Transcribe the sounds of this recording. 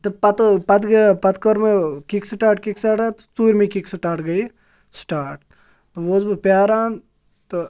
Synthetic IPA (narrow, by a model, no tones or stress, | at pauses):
t̪ɐpɐt̪pɐt̪ɡpɐt̪kɔɾmekiksʈaːɾʈkiksaːʈat̪o̥t͡suːɾʲmekiksʈaːɾʈɡɐi | sʈaːɾʈ̚ | t̪oʋoːzbɨpaːɾaːn | t̪o